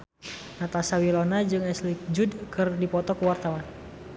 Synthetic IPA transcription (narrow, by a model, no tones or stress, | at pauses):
nat̪asawilɔnad͡ʒɨŋɛslik̚d͡ʒudkɨrdipɔt̪ɔkuwart̪awan